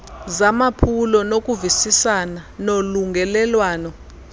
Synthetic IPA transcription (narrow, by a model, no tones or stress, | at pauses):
zamapʰulɔnok̬ʼuvisisananoluŋɡɛlɛlwaːnɔ